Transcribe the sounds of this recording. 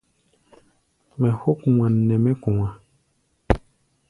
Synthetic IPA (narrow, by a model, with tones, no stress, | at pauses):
mɛ̃˨ho˦ku˨wã˨nː˨ɛ̃˨mɛ̃˦kũ˨wã˨